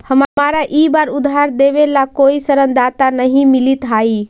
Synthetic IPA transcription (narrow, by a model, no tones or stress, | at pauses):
həmaɾaʔibaɾud̪ʱɦaɾd̪ebelakoisəɾənd̪at̪anəɦĩmilit̪ɦai